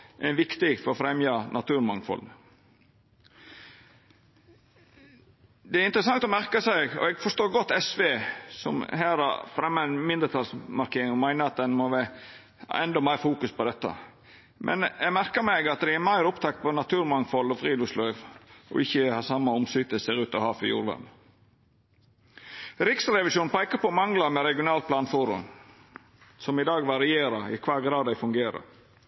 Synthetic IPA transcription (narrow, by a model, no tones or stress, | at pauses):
ʔæʋɪkt̪ɪfɔɾɔfɾɛmjɑnʔɑt̪ʰʉːɾmɑŋfɔ̰l | d̪ɛæɾɪnt̪ɾəsɑŋt̪ɔmæɾkəsæɪɡɔ̰ɛɡfɔʂt̪oːɾɡɔt̪ːɛsʋeːsɔ̰mhæːɾɑ̰ɾfɾɛmːɑɛnmɪnd̪əɾt̪ʰɑlsmɑɾkʰeːɾɪŋɔmæɪnəɾɑt̪̚d̪ɛnmɔʋæ | hɛnd̪ɔmæɪɾfuːkʉspʰɔd̪ɛt̪ːɑ̰ | mʔɛ̰njæmæɾkəɾmɛɡɑt̪̚d̪ɛɪæɾmæɪɾʊpt̪ʰɑkt̪̚pʰɔnɑt̪ʰʉːɾmɑŋfɔlɔfɾiːd̪ʊslœʏʋʔɔ̰ʔɪçːəhɑːsɑmːəɔmsyːt̪əseːɾʉːt̪ɔhɑːfɔjṵːɾlœ̰m | ɾɪksɾɛʋɪʃuːnpæɪkəpɔmɑŋlɑmɛɾɛɡɪʊnɑːlt̪̚pʰlɑːnfʊɾʉ̰m | sɔmɪd̪ɑːɡʋɑɾɪjeːɾəɾɪ̰kʰʋɑːɾɡɾɑːd̪æɪfʉŋɡeːɾə̰ɾ